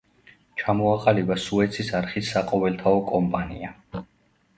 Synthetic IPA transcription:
t͡ʃʰamɔaqʼalibasuɛt̪sʰisaɾχisːaqʼɔvɛlt̪ʰaɔkʼɔmpʼanḭa

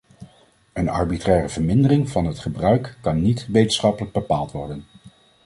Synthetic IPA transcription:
ənɑ̰ɹbitrɛːrəvəɹmɪndərɪŋvɑnɦətχəbrœɥkːɑnːitʋejtənsχɑpələɡ̚bəpaːlˠtʋɔɹdən

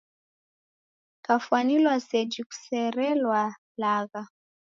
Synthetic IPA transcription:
kafuanilwasɛd͡ʒiku̥sɛɾɛlwa | laɣa

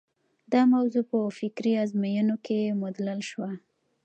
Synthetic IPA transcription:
d̪ɑmawzupəfɪkɾiazmajənokemʊd̪lalʃwa

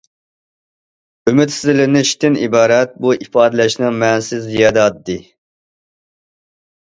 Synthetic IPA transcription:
ymɪt̪sɪzɪlɪnɪʃt̪ʰɪnibɑːɾɛt̪̚buʔipɑːd̪ɨlɛʃnɨŋmɛnsɪzːijɑːd̪ɑt̪d̪ɨ

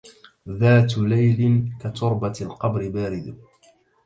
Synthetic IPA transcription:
ðaːt̪lajlɪnkat̪ʊɾbalqɑbɾɪbaːɾɪd̪

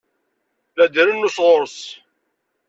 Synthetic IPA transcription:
θæd̪əɾənːusʁoɾəs

